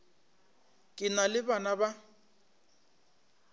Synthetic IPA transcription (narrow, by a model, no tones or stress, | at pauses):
kʼɪnalɪbanaba